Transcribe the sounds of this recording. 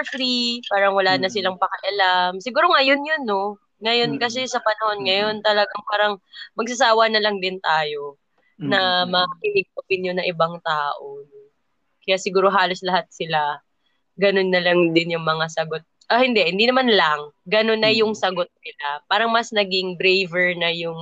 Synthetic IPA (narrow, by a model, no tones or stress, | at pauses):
fɾipaːɾɐŋwɐlaːnɐsɪlaŋpɐkɐʔɐlamsɪɡuːɾo̞ŋɐjonjonːo̞ | ŋɐjo̞nkɐs̬ɛsɐpɐnɐho̞nŋɐjo̞nt̪ɐlɐɡaŋpaːɾɐŋmɐɡ̚sɐsaːwɐnɐlɐŋd̪ɪnt̪aːjo̞ | nɐmɐkɪnɪɡ̚opɪnjonɐŋʔɪbaŋt̪aːʔo̞no | kɐjaʔsɪɡuːɾo̞ɦaːlo̞slɐɦat̪̚sɪla | ɡɐno̞nːɐlaŋd̪ɪnjʊŋmɐŋasɐɡo̞t̪̚ʔohɪnd̪ɛhɪnd̪inɐmanlɐŋɡɐno̞nːɐjʊŋsɐɡo̞t̪̚nɪlapaːɾɐŋmɐsnɐɡɪŋbɾejvɛɹnɐjʊŋ